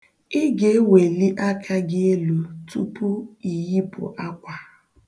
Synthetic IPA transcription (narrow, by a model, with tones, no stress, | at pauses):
ɪ˦ɡe˦we˨li˦ʔa˦kʰa˦ɡɪ˦e˦lu˨tu˦pʊ˦i˨ɣi˦pʊ̰˨ʔa˦kʷa˨